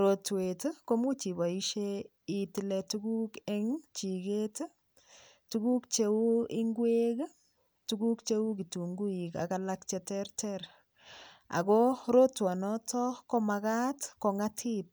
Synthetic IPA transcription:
ɾo˨twetko˦mu˦t͡ʃi˨ba˨i˦ʃe | i˨tile˨tu˦ku˦keŋt͡ʃi˨ke˦t | tu˦ku˦k̚t͡ʃeu˦i˦ŋɡwe˦k | tu˦ɡu˦kt͡ʃe˦u˦ki˨tu˨ŋɡu˦i˨ka̰kalakt͡ʃetɛrtʰɛɾ | a̰˨kɔ˦ɾo˦twa˨nɔtʰɔ˦komaka˦tko˨ŋatʰip̚

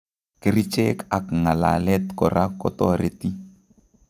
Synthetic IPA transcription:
ke˨ɾi˦t͡ʃe˦ka˨kŋa˨la̰˨lɛ˦t̪kɔ˨ɾʔa˦kɔ˦tɔ˦ɾe˦t̪i˦

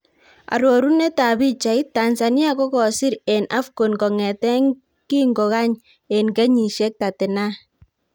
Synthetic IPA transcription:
a̰˨ɾo˨ɾu˦ne˦ta˨bi˦t͡ʃa˨i˦tːa˨nsa˨ni˦a˦kɔ˦kɔ˨sɪ˦ɾɛ˨nʔa˦fko˨nkɔ˨ŋɛ˨tɛ˦ŋ | ki˦ŋɡo˨ka˦ɲ | e˨nkɛ˦ɲi˨ʃɛ˦k̚ta˨tɪ˨na˦

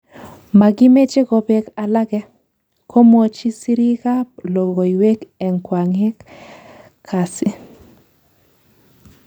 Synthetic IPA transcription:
ma˨ɡɪ˦me˦t͡ʃe˦ɡɔ˨be˨ka˨la˦ɡɛ˦ | ko˦mɔ˨t͡ʃi˦si˦ɾi˦ka˦plo˨ɡo˨i˨we˦kɛ˨ŋkwa˨ŋɪ˦k | kʰːa˨sɪ˦

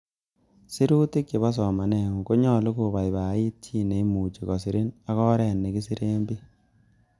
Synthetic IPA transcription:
si˦ɾu˦ti˦kji˨βɔ˦s̬ɔ˨ma˨nɛ˨ŋu˨ko˦ɲɔ˦˨lu˦ku˨ba˨jba˨˦i˦t̚t͡ʃi˦˨ne˨˦mu˨t͡ʃi˨kɔ˨s̬i˨ɾi˦na˦ɣɔ˦ɾɛ˨nːe˨ki˦si˦ɾe˦mbi˦

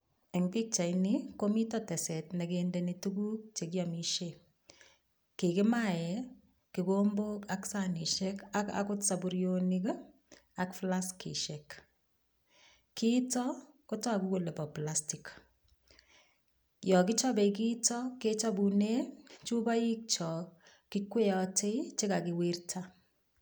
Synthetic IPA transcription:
ɛ˨ŋɡi˦k̚t͡ʃa˨jnikomi˦tɔtɛ˨sɛ˨tne˨kendenituku˦k̚t͡ʃe˨kjɔ˨miʃe | ke˨kɪ˦ma˦jɛ˨ | kikomboka˦ksani˨ʃɛkaka̰kʊtsabuɾjonik | a˦kflaskḭʃɛk | ki˦tɔ˦ | ko˦tɔ˦a˨ku˦ko˨le˨pɔ˨plasti˨k | jɔ˨kɪ˦t͡ʃɔ˦be˨k̬i˦tɔ˦ke˦t͡ʃɔ˦bu˨ne˦t͡ʃu˦ba˦ji˦k̚t͡ʃɔ˨ | ki˦kwe˦ɔ˦tʰe˦t͡ʃe˦ka˨kɪ˨wi˦rtʰa˦

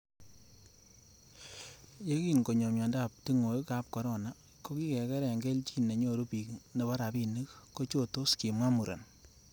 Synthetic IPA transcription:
je˦ki˦˨nko˨ɲɔ˨mja˨nda˦˨p̚ti˦ŋo˨i˦ka˦p̚kɔ˨ɾɔ˦˨na˨ | ko˦ki˦kɛ˨kɛ˦ɾɛ˨ŋɡɛ˦lt͡ʃi˦na˨ɲo˦˨ɾu˦pi˨kne˨ba˦ɾa˨pi˦ni˦kko˦t͡ʃo˦to˦ski˨mwa˦mu˨ɾʔa̰˨n

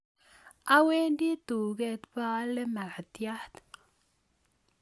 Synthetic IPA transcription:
a˦we˦ndi˦t̪u˨ɡe˦t̪ba˦le˦ma˨la˨t̪ja˦ht̪

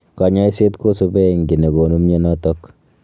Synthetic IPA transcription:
ka˨ɲa˦se˦tko˦su˦bɛ˦˨ŋɡi˨ne˨ɡo˨nu˦mɲe˦nɔ˦tɔ˦k

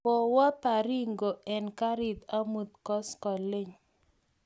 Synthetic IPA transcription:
po˨wa˦pa˨ɾi˦ŋɡo˨ɛ˨nka˦ɾɪ˨t̪a˦mu˦t̪̚kɔ˦skɔ˨le˦˨ɲ

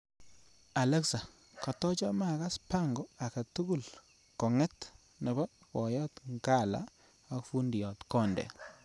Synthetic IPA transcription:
a˨lɛ˦ksa˨ | ka˨tɔ˦t͡ʃɔ˦ma˦˨ka˦spa˦ŋɡɔ˨a˨ka˨tu˦ɡu˦l | kɔ˨ŋɛ˦t | nɛ˨bɔ˦ | kɔ˨jɔ˦tŋɡa˦˨la̰˨ | a˨kfu˦ndi˨jɔ˨tkɔ˦˨ndɛ̰˨

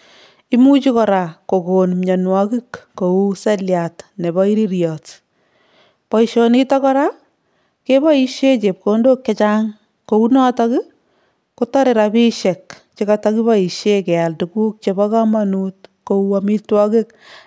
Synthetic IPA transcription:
i˦mu˦t͡ʃi˦kɔ˨ɾa˨ko˨konmɲa˨nwɔkɪ˦kːo˨u˦sɛljatne˨bɔ˦i˦ɾi˦ɾjɔt | pɔ˨iʃo˨nita˦kɔ˦ɾa˦ | ke˦bɔ˦i˦ʃe˦t͡ʃe˨p̚kondo˦kːe˦t͡ʃaŋ | ko˨unɔ˦ta˦ki˦ | kotɔ˦ɾe˨ɾabi˦ʃɛ˨k | t͡ʃi˦kataki˦ba˦i˨ʃe˦ke˨a˨ltu˨kuː˦k̚t͡ʃeba˦ka˦ma˦nutko˨uami˦twɔ˦kɪ˦k

